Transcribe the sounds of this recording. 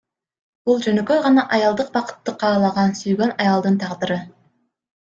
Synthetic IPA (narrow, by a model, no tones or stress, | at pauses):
b̥ulˠd͡ʒø̞nøkøʁɑnɑʔɑjɑlˠd̪ɯq̚bɑqɯ̥t̪ːɯqʰɑːlˠɑʁɑnsyjɡø̞nɑjɑlˠd̪ɯnt̪ʰɑʁd̪ɯɾɯ